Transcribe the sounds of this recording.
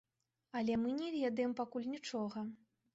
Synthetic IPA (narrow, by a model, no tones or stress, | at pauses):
ɐlʲɛmɨnʲɛvʲɛd̪ɐjɛmpakulʲnʲit͡ʂɔɣɐ